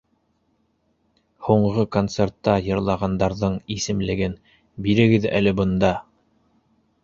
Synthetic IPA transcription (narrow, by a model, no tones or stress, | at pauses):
huɴʁɤkont̪sert̪ːɑjɤ̆ɾlˠɑʁɑnd̪ɑɾðɤɴisɘ̆mlɘ̆ɡɘn | biɾɘ̆ɡɘðæ̰lɘbŏnd̪ɑ